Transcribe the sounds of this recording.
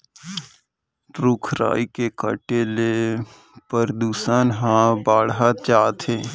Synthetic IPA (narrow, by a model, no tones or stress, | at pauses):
ɾʊkʰɾa̰ːikekəʈele | pəɾd̪uːsənɦãbaːɽɦat͡ʃaːt̪ʰeː